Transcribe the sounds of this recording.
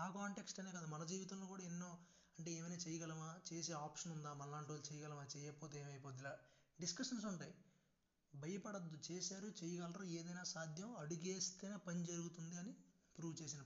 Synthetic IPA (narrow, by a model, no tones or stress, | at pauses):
aːkaːɳʈe̞ksʈɐne̞ːkɐd̪aːmɐnɐd͡ʒiːʋit̪ɐmloːkuːɽaːenːo̞ː | ɐɳʈeeːʋɐnaːt͡ʃɛjɐɡɐlɐmaːt͡ʃeːs̬e̞ːaːpʂɐnund̪aːmɐnlaːɳʈolt͡ʃɛjɐɡɐlɐmaːt͡ʃɛːjɐpoːt̪eeːmɐjpoːt̪̬ilaːɖiskɐʂɐns̬uɳʈaːj | bʱɐjɐpɐɽɐd̪ːut͡ʃeːsaːɾut͡ʃejɐɡɐlɾoːeːd̪ɐjnaːsaːd̪ʱjɐmɐɽuɡeːst̪eːnapɐnid͡ʒɐɾuɡut̪und̪iɐnipɾuːʋt͡ʃe̞ːs̬inɐ